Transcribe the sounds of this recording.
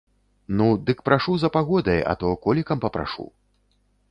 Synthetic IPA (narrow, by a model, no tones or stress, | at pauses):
nud̪ɨkpɾʔaʂuzɐpaɣɔd̪ɐjɐ̰t̪ɔkɔlʲikɐmpɐpɾa̰ʂṵ